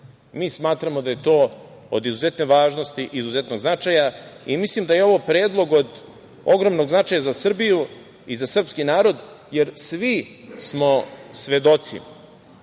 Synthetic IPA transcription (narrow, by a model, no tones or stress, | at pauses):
miːsmaːt̪ɾamo̞d̪ajet̪o̞ː | o̰d̪izuzet̪neʋaːʒno̞st̪iʔizuzet̪no̞ɡznat͡ʃajaimislimd̪ajeo̞ʋopɾeːd̪lˠo̞ɡo̞d̪ | oɡɾomno̞ɡznat͡ʃaːjazasr̩biju | izasr̩pskinaːɾo̞d̪je̞ɾsʋismo̞sʋe̞d̪o̞t̪sḭ